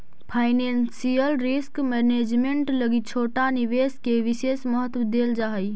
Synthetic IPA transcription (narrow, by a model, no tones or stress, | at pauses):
pʰaɪnensijəlɾiskmɛned͡ʒmeɳʈləɡit͡ʃʰoʈaniʋeskeʋisesməɦət̪wəd̪eld͡ʒaɦəj